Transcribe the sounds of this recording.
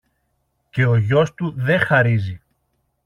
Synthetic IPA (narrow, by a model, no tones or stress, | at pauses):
ce̞o̞ʝo̞st̪uðe̞xɐɾizi